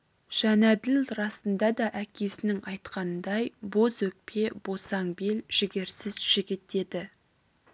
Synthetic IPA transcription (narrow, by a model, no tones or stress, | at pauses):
ʒ̥ænæd̪ɪlɾɑsənd̪ɑd̪ɑʔækʲʰe̞sɪnɪŋɑjt̪qɑnəd̪ɑjbo̞zwɵk̚pʰe̞bosɑŋbelʒ̥ɪɡʲe̞ɾsɪzʒ̥ɪɡʲɪt̪e̞d̪ɪ